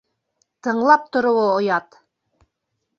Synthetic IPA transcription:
t̪ɤ̆ɴlˠɑp̚t̪ŏɾŏwɤŏjɑt̪

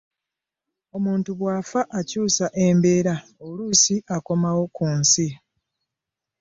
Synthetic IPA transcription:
o̞muːntuβwaːfaʔacuːsaʔe̞mbe̞ːɾaoluːsiʔako̞mawo̞kuːnsi

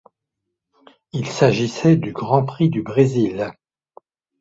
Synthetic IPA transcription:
ilsaʒisɛd̪yɡʁɑ̃pχid̪ybʁezil

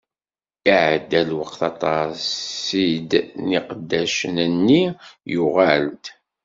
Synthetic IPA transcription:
iʕd̪ːælwəqθɑt̪ˤɑsid̪niqd̪ːæʃənənːijʊʁælt̪

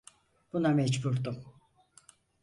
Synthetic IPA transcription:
b̥unamɛd͡ʒbuɾd̪u

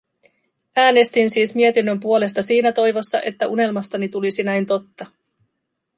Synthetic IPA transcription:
æːne̞st̪insiːsmiet̪inːø̞mpuo̞le̞st̪ɑsiːnæt̪o̞jʋo̞sːɑ̰ʔe̞t̪ːæʔune̞lmɑst̪ɑnit̪ulisinæjnt̪o̞t̪ːɑ

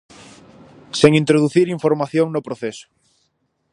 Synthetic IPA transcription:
seŋĩnt̪ɾoðuθiɾiɱfoɾmaθjoŋnopɾoθesʊ̥

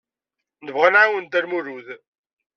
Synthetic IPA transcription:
nəvʁənʕawənd̪æɾmuɾuð

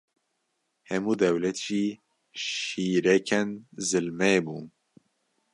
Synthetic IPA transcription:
hɛmuːd̪ɛwlɛt̪ʒ̥iː | ʃiːɾɛkʰɛnzɨlmɛbuːn

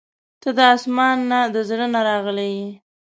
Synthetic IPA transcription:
t̪əd̪əɑsmɑnːad̪əzɽənaɾɑɣəlawi

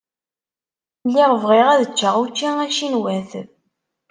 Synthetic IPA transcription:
lːiʁvʁiʁæðət͡ʃːəʁut͡ʃːiæʃinwæθəð

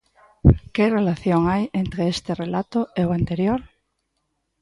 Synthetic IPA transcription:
kerelaθjoŋajent̪ɾeest̪erelat̪oeoant̪eɾjoɾ

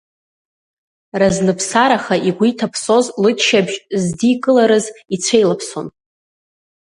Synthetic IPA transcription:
raznɨpʰsaɾaχaʔiɡʷitʰapʰso̞zlɨtʰʃabʒzdikʼɨlaɾɨzit͡sʷʰejlapʰso̞̰n

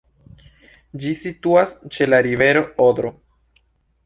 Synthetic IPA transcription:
d͡ʒisituast͡ʃe̞laɾive̞ɾo̞od̪ɾo

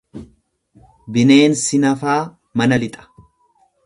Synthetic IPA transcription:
bɪne̞ːnsɪnɐfaː | mɐnɐlɪt̪ʼɐ̥

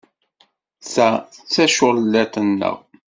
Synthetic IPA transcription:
sæət͡sːæʃʊɾlːæt̪ənːə̰ʁ

